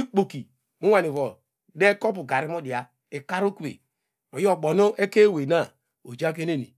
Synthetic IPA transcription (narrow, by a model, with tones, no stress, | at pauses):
i˦k͡po˨ki˨ | mu˦a˨ni˨vɔ˨ | de˦kɔ˦pu˨ɡa˨ɾi˦mo˦di˨a˨ | e˨ka˦ɾu˦ku˦ḛ˨ | o˨jo˨ɡ͡bo˨no˦ʔe˦ke˦˨we˨na˦˨ | o˨d͡ʒa˦k̬e˦ne˦nḭ˨